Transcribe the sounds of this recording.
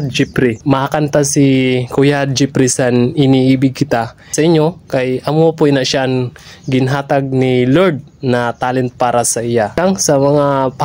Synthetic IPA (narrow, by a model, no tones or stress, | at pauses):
d͡ʒipɾimɐhakant̪asikʊjad̪̚d͡ʒipɾisanɪniʔiːbɪɡ̚kɪt̪a | sɐʔɪɲːo̞kɐjʔɐmopʊɛnaʔʃaʔɐŋ | ɡɪnɦaːt̪ɐɡ̚niloɾd̪̚nɐt̪aːlɛnt̪̚paːɾɐsɐʔɪjaaŋsɐmɐŋap